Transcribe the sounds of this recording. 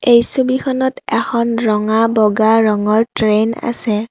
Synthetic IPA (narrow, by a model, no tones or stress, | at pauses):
ejsubikʰɔnɔtɛxʰɔnɹɔŋabɔɡaɹɔŋɔɹtɹena̰sɛ